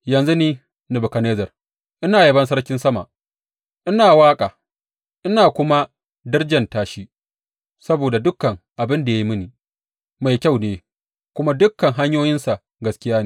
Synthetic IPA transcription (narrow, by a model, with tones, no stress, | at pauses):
jɐ˨nzu˦niː˦ | nɪ˨bʊ˨kɐ˨neː˦zɐ˨r | ʔɪ˦naː˨je˦bɐ˦ns̬ɐ˦ɽkʲɪ˦nsɐ˦ma˨ | ʔɪ˦naː˨waː˦kʼaː˨ | ʔɪ˦naː˨kʷʊ˦ma˦ | dɪ˦rd͡ʒɐ˨ntaː˦ʃi˦ | sɐ˦boː˨da˨dʊ˦kːɐ˨ŋʔa˨bɪ˦nda˨ja˦ji˦mɪ˦ni˨ | ma˨jkʲa˦˨wneː˦ | kʷʊ˦ma˦dʊ˦kːɐ˨ŋɦa˦ɲjoː˦jɪ˦nsa˨ʔ | ɡɐ˨skʲɪ˦jaː˦neː˦